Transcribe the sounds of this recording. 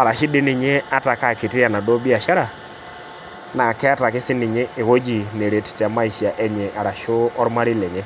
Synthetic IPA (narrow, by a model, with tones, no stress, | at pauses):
a˨ɾa˨ʃɪ˦dɪ˦nɪ˨ɲe˦a˦ta˨ka˦˨kɪ˨tɪ˦a˨na˨do˦bi˦a˨ʃa˦ɾa˨ | na˨kɛ˦a˦ta˨kɪ˦sɪ˦nɪ˨ɲe˦e˨ɣo˦d͡ʒi˨ne˨ɾe˨tta˨ma˦i˨si˨a˨ʔɛ˦ɲɛ˨ʔa˨ɾa˨ʃʊ˦ɔ˦ɾma˦ɾi˦lɛ˨ɲɛ˦